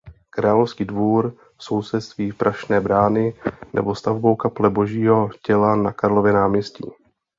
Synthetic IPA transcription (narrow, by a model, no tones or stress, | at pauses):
kɾaːlofskiːdvuːɾ | so̞wsɛt̪st̪viːpɾʔaʃnɛːbɾaːnɪnɛ̰bo̞st̪avbowkaplɛbo̞ʒiːɦo̞cɛlanakaɾlovjɛnaːmɲɛscḭː